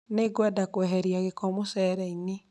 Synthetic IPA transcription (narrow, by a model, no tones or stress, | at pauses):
neɡwadakwɛɦɛɾiaɣekɔmosɛɾɛine